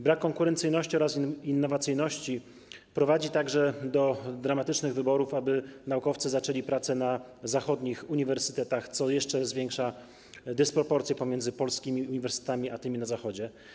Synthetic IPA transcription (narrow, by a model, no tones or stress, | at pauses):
bɾakːɔŋkuɾɛnt̪sɘjnɔɕt͡ɕiɔɾasinːɔvat̪sɘjnɔɕt͡ɕi | pɾɔvad͡ʑit̪aɡʐɛd̪ɔd̪ɾamat̪ɘt͡ʂnɘɣvɘbɔɾufabɘnaukɔft̪sɘzat͡ʂɛlʲipɾat̪sɛnazaxɔd̪ɲixuɲivɛɾsɘ̥t̪ɛt̪axt̪sɔjɛʂt͡ʂɛzvʲjɛŋkʂa | d̪ɛspɾɔpɔɾt̪sʲjɛpɔmʲɛnd̪zɘpɔlskʲimʲiuɲivɛɾst̪ɛ̥t̪amʲiat̪ɘmʲinazaxɔd͡ʑɛ